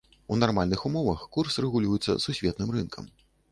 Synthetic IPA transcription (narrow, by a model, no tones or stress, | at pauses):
unarmalʲnɨxumɔvɐxkursrɛɣulʲujɛt̪sːɐ̰susʲvʲeɛt̪nɨmrɨnkʰɐ̰m